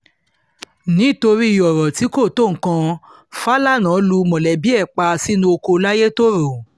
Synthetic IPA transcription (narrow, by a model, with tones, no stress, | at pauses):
nĩ˨˦˨to˧ɾi˦i˨jɔ˨ɾɔ˨ti˨˦ko˦˨to˦˨ŋ̩˨kã˧ | fa˦la˦˨nã˨˦lu˧mɔ̃˨lɛ˨bi˨˦ɛ˦˨k͡pa˧si˦nũ˦o˧ko˧la˦je˦to˦ɾo˨